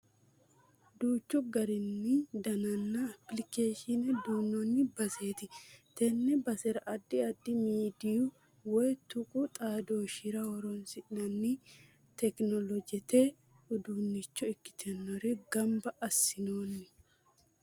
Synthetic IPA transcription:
d̪uːt͡ʃːʊɡɐɾɪnːɪd̪ɐnɐnːɐɐplɪkeːʃɪnɛd̪uːnːɔnːɪbɐseːt̪ɪt̪ɛnːɛbɐsɛɾɐʔɐd̪ːɪɐd̪ːɪmiːd̪ɪjʊ | wɔjt̪ʊkʼʊt̪ʼaːd̪oːʃɪɾɐwɔɾɔnsɪʔnɐnːi | t̪ɛknɔlɔd͡ʒɛt̪e | ʊd̪unːɪt͡ʃːɔɪkːɪ̥t̪ʰɛnːɔɾɪɡɐmbɐʔɐsːɪnoːnːɪ

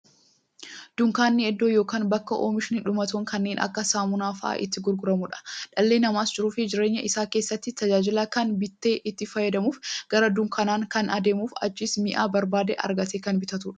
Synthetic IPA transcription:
d̪̥ʊŋkaːnːɪɛd̪ːo̞ːjoːkaːnbɐkːɐʔoːmɪʃɪnɪᶑʊmɐt̪oːŋkɐnːe̞ːnʔɐ̰kːɐsaːmʊnaːfɐ̰ʔa̰ʔɪ̰t̪ːɪɡʊɾɡʊɾɐmʊᶑɐ̥ᶑɐlːeːnɐmaːsd͡ʒɪɾuːfɪd͡ʒɪɾe̞ːɲːɐʔɪsaːke̞ːsːɐt̪ːɪt̪ɐd͡ʒaːd͡ʒɪlaːkɐnbɪt̪ːe̞ːʔɪt̪ːɪfɐjɛd̪ɐmuːfɡ̥ɐɾɐd̪ʊŋkʰɐnaːŋkɐnɐd̪e̞ːmuːfɐ̰d͡ʒːiːsmɪʔaːbɐɾbaːd̪ɛ̰ʔɐ̰ɾɡɐt̪eːkɐnbɪt̪ɐt̪uᶑɐ̥

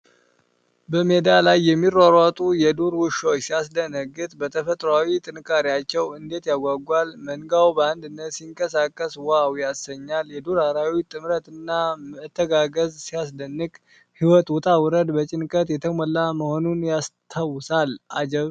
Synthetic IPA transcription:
bəmed̪alajːɛmːiɾaɾat̪ʼujɛd̪uɾwʊʃot͡ʃsijas̬d̪ənəɡɨt̪bət̪ʰəfət̪ʼɾawit̪ʼɨnkʼaɾiat͡ʃːɛwɨnd̪e̞t̪jaɡʷaɡʷalməŋɡawbəand̪ɨnːət̪siŋkʼəsakʼːəswawjasːəɲːaljɛd̪oɾaɾawit̪ʼɨmɾət̪ɨnːaməɨt̪ʰːəɡaɡəzsijas̬d̪ənːɨkʼ | hiwɔt̪wʊt̪ʼawɨɾəd̪bət͡ʃʼɪnkʼət̪jɛt̪ʰəməlːaməho̞nunjast̪ʰawʊsalʔad͡ʒɛβ

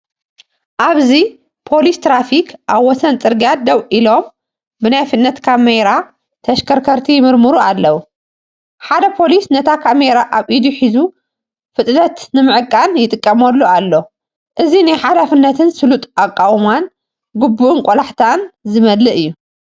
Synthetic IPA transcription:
ʔaβzi | pʰo̞list̪ʰɾafikʰʔaβwɔsɐnt̪ʼɨɾɡjad̪ɐwʔilo̞m | bɨnajfɨt̪ʼnɐt̪kʰameɾa | t̪ʰɐʃkʰɐɾkʰɐɾt̪ʰimɨɾmɨɾualːɐwu | ħad̪ɐpʰo̞lisnɐt̪ʰakʰameɾaʔaβʔid̪uħizu | fɨt̪ʼnɐt̪nɨmɨʕɨkʼːanjɪt̪ʼɨkʼːɐmɐlːualːo̞ | ʔɨzinajħalafɨnːɐt̪ʰɨnsɨlut̪ʼakʼːawman | ɡubːuʔunkʼolaħt̪ʰanzɨmɐd̪lɨʔɨjːu

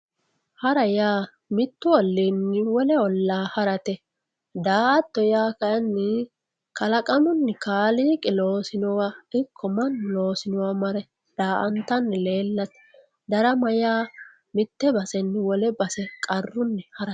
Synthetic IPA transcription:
hɐɾɐjaː | mɪt̪ːʊɔlːiːnːɪwɔlɛɔlːaːhɐɾɐt̪ɛ | d̪aːʔɐt̪ːɔjaːkɐjɐnːɪ | kɐlɐkʼɐmʊnːɪkaːliːkʼɪloːsɪnɔwaɪkʰːɔmɐnːlo̞ːsɪnɔwɐmɐɾɛ | d̪̥aːʔɐnt̪ːɐnːɪle̞ːlːɐt̪ɛ̥ | d̪ɐɾɐmɐjaː | mɪt̪ːɛbɐsɛnːɪwɔlɛbɐsɛkʼɐrːʊnːɛhɐɾɐ

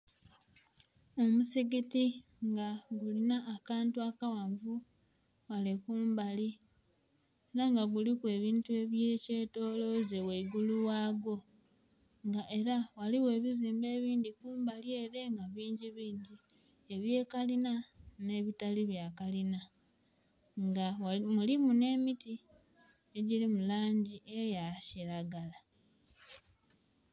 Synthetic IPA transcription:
o̞musiɡiti | ŋɡaɡulinaʔːkaːntuakawaɱvu | walekuːmbali | eɾaŋɡaɡulikwe̞ːβiːntue̞βje̞ːce̞ːto̞ːlo̞zeweiɡuluwaːɡo̞ | ŋɡaʔe̞ɾawaliwe̞ːβiziːmbe̞ːβiːndikuːmbalje̞ːɾe̞ŋɡaβiːɲɟiβiːɲɟi | e̞βje̞ːkalinane̞βitaliβjakalina | ŋɡamulimune̞ːmiti | e̞ɟilimulaːɲɟiʔe̞jaciɾaɡala

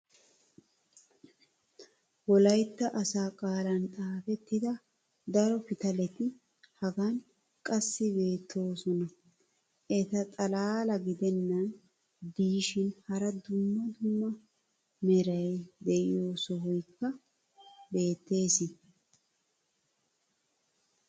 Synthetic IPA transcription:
wɔlɐjt̪ːɐʔɐsaːkʼaːlɐnt̪ʼaːfɛt̪ːɪd̪ɐ | d̪ɐɾɔfɪt̪ɐlɛt̪ɪ | hɐɡan | kʼɐsːɪbe̞ːt̪ʰːo̞ːsɔnɐ | ʔɛt̪ɐt̪ʼɐlaːlɐɡɪd̪ɛnːɐn | d̪iːʃɪnhɐɾɐd̪ʊmːɐd̪ʊmːɐ | mɛɾɐjd̪ɛʔɪjo̞ːsɔɦɔjkːɐ | be̞ːt̪ːe̞ːsɪ

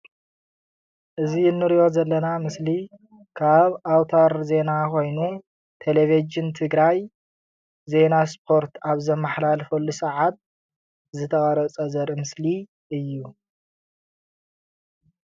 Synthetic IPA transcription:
ʔɨziɪnːɨɾijo̞zɐlːɐnamɨsli | kʰaβawt̪ʰaɾze̞nakʰo̞jnu | t̪ʰelevid͡ʒɨnt̪ʰɨɡɾaj | ze̞naspʰo̞ɾt̪ʰaβzɐmːaħlalfolːusɐʕat̪̚ | zɨt̪ʰɐχʼɐɾɐt͡sʼɐzɐɾmɨsli | ɨjːu

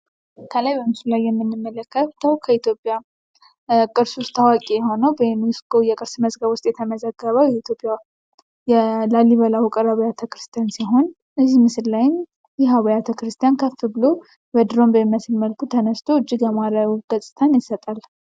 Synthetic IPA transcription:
kʰəlajbəmɨsɨllːajːɛmːɨnːɨmːələkːət̪ʰəwkʰəit̪ʰjo̞pʼːja | kʼɨɾsʊst̪ʼawakʼijɛho̞nəwbənuskʰojɛkʼɨɾsməzɡəβʊst̪ʼjɛt̪ʰəməzəɡːəβəwjɛit̪ʰjo̞pʼja | jɛlalːiβəlawkʼɨɾaβjat̪ʰəkɾɨst̪ʰijansiɦo̞n | ʔɨzːimɨsɨllajɪm | jɛɦaβəjat̪ʰəkɾɨst̪ʰijankʰəfːɨbɨlo | bəd̪ɨɾo̞mbəmmːəsɨlməlkʰut̪ʰənəst̪ʰo̞ɨd͡ʒːɪɡəmaɾəɡ̥əsʼɨt̪ʰanjɪsət̪ʼal

